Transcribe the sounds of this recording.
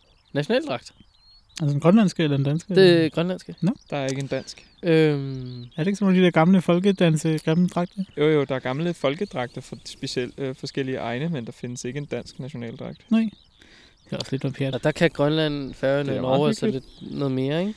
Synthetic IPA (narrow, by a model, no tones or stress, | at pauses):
næɕo̝nɛ̰ːld̥ʁɑ̈ɡ̥d̥ | ʔælsəenɡ̥ʁɶnlænsɡ̥əelɐend̥ænsɡ̥ə̥eɡ̥ʁɶnlænsɡ̥ənɔd̥ɑ̈æɐe̝ɡəe̝nd̥æn̰sɡ̥ | ømæɐɾeɡ̥əsɒnoːləd̥id̥eɐɡ̥ɑ̈mləfɒ̽lɡ̥əd̥ænsəɡ̥ʁɛm̩d̥ʁɑ̈ɡ̥̚d̥ɐjojod̥ɑ̈æɐɡ̥ɑ̈mləfɒ̽lɡ̥əd̥ʁɑ̈ɡ̥̚d̥ɐfɒsb̥eɕel̰fɒ̽sɡ̥el̰iəʔɑ̈ɪnəmend̥ɑ̈fe̝nəse̝ɡ̥əe̝nd̥æn̰sɡ̥næɕo̝nɛ̰ːld̥ʁɑ̈ɡ̥̚d̥nɑɪ̰ | hæɒ̽səle̝d̥ʋɑmpʰeɐdd̥ɑkʰæɡ̥ʁɶnlæn̰fæːenenɒʊælsəled̥nɔːð̩ˠme̝ːɐeɡ̥